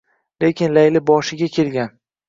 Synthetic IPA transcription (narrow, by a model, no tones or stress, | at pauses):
le̞kʲʰɪnlajlɪbɒʃɪɡʲakʲʰe̞lɡʲan